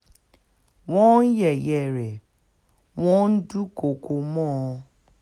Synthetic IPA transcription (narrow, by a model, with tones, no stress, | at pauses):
wɔ̃˦n̩˦jɛ˨jɛ˨ɾɛ˨ | wɔ̃˦n̩˦du˦ko˨ko˨mɔ̃˦˨˧